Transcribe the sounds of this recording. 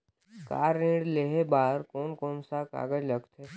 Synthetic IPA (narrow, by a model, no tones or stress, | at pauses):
ka̰ːɾĩːɽleɦebaːɾkoːnkoːnsaka̰ːɡəd͡ʒləɡt̪ʰɦeː